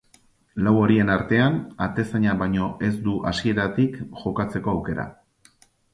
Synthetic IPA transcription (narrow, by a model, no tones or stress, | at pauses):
lawo̞ɾie̞naɾt̪e̞anat̪e̞saɲaβajɲo̞ʔe̞zd̪uʔasie̞ɾat̪ikʝo̞kat͡se̞ko̞awke̞ɾa̰